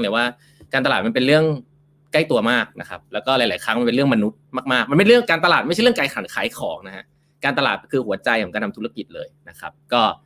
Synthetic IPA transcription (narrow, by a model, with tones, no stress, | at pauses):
waː˥˩ | kaː˧nt̪a˧aː˨˩t̪ma˧npe˧nɾɯ˥˩əŋ | ka˥˩jt̪u˧ɐmaː˥˩k̚na̰˦˥kʰa̰˦˥p̚lɛː˦˥wkɔː˥˩la˩˦jlaː˨˩˦jkʰɾa˦˥ma˧npe˧nɾɯ˥˩əŋma˧nu˦˥t̪̚maː˥˩k̚maː˥˩k̚ma˧nmpe˧nɾɯ˥˩əŋkaː˧nt̪a˧laː˨˩t̪ma˥˩t͡ɕʰɯ˥ə˨kaː˧jkʰa˨˩˦nkʰaː˨˩˦jkʰɔː˩˦ŋna˦˥hʰa̰˦˥ʔ | kaː˧nt̪a˧laː˨˩t̪̚kʰɯː˧hu˩˦ɐt͡ɕa˧jkʰɔː˨˩˦ka˧nʰ˧t̪u˦˥a˧ki˨˩t̪̚lɤ̰ː˧jna˦˥kʰa˦˥p̚kɔː˥˩